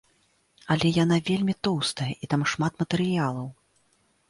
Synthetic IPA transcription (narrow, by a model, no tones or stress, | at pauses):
ɐlʲɛjanavʲelʲmʲit̪ɔwst̪ɐjɐʔit̪amʂmat̪mɐt̪ɛɾɨjalˠɐw